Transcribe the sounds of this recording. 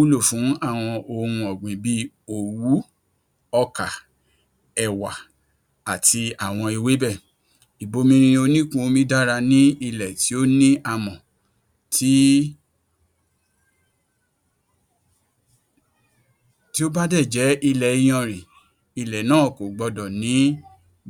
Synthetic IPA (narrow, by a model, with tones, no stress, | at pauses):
u˦lo˦˨fũ˨˦a˦˨w̃ɔ̃˧ʔo˧hũ˧ɔ˨ɡ͡bĩ˨bi˦o˨wu˨˦ | ɔ˧ka˨ | ɛ˨wa˨ | a˨ti˧a˨w̃ɔ̃˧i˧we˨˦bɛ˦˨ | i˨bo˧mĩ˧˦ɾ̃ĩ˧o˧nĩ˦kũ˦o˧mĩ˦da˦ɾa˧nĩ˦i˧lɛ˨ti˨˦o˦nĩ˦ʔa˧mɔ̃˨ | ti˦ | ti˦o˦ba˦dɛ˦˨d͡ʒɛ˨˦ʔi˧lɛ˨i˨˧j̃ɔ̃˧˨ɾ̃ĩ˨ | i˧lɛ˨nãː˦˨ko˨ɡ͡bɔ˧dɔ˨nĩ˨˦